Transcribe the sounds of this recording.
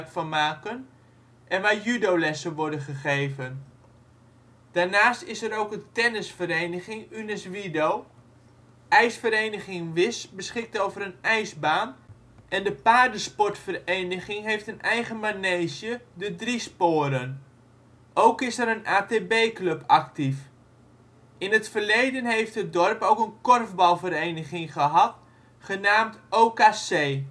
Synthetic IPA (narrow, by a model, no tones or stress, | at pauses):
tfɔmaːkən | ʔɛnʋaːɹjydowlɛsəʋɔɹdəχəχejvən | d̥aːɹnaːstɪsəɾowkətɛnəsfəɾejnəχɪŋynɛsʋidow | ʔɛjsfəɾejnəχɪŋʋɪsbəsχɪk̚towvəɾənɛjzbaːn | ʔɛndəpaːrdəspɔtfərejnəχɪŋɦejftənɛjχəmaneːzjədədrispʊːɾən | ʔowkɪsəɾənʔaːteːbeːklɵpʰaktif | ɪnətfərlejdənɦejftət̚dɔrpowkənkɔrvbɑlˠvəɾejnəχɪŋχəɦɑt | χənaːmtʔoːkaːseː